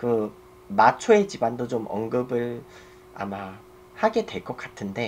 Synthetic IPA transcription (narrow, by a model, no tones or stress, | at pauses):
kɯ | mat͡ɕʰoe̞d͡ʑibandot͡ɕomʌŋɡɯbɯɭ | a̰ma | haɡe̞dwe̞ɭk͈ʌk͈atʰɯnde̞